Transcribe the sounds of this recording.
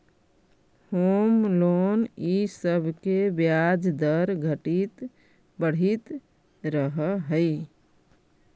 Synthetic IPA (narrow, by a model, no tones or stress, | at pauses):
homlonisəbʱkebjad͡ʒd̪əɾɡʱəʈit̪ | bəɽ̤it̪ | ɾəɦəɦəɪ